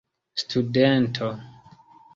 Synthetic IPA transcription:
stʰudentʰo

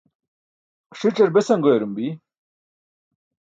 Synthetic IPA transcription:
kʂiʈ͡ʂeɾbesɐŋɡojeɾumbi

